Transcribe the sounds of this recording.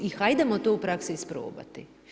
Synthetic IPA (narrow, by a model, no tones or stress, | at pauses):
ixajd̪amot̪oupɾaksiːspɾo̰ːba̰t̪ḭ